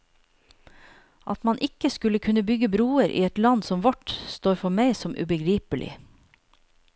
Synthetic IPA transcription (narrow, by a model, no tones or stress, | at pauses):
ʔɑt̪mɑnʔɪkəskʉləkʰʉnəbʏɡəbɾuːəɾʔḭːɛt̪lɑnsɔmʋɔʈst̪oːɾfɔmæɪsɔmʔʉ̰ːbəɡɾiːpəlɪ̰